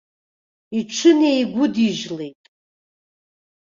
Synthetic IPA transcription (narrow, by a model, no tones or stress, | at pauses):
iʈ͡ʂʰɨnejɡʷʊdiʒlejtʼ